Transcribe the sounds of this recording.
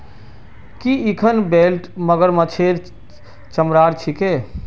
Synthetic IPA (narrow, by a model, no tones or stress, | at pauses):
kiikʰənbelʈməɡəɾmət͡ʃʰeːɾ | t͡ʃəmɾaːɾt͡ʃʰike